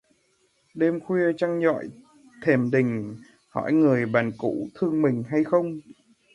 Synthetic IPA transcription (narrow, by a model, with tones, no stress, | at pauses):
ɗe˧mxwi˧ət͡ɕa˧ŋzɔ̰˧˨j | t̪ʰe˨˩mɗï˨˩ŋ̟ | hɔ̰˧˩˨jŋɨ˨˩əjɓaː˨˩nkṵ˧˥t̪ʰɨ˧əŋmï˨˩ŋ̟ɦa˧jxə˧wŋ͡m